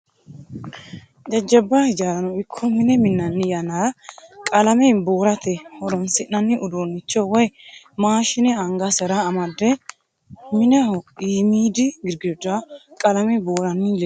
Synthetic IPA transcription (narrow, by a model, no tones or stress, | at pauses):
d͡ʒɐd͡ʒːɐbːɐhɪd͡ʒaːɾɐnɔɪkʰːɔmɪnɛmɪnːɐnːɪjɐnakʼɐlɐmɛboːɾɐt̪ɛhɔɾɔnsɪʔːɐnːɪʔʊd̪oːnːɪt͡ʃːɔwɐj | maːʃɪnɛɐŋɡɐsɐɾɐːmɐd̪ːɛ | mɪnɛhɔiːmiːd̪ɪɡɪɾɡɪd̪ʊd̪akʼɐlɐmɛboːɾɐnːɪlɛ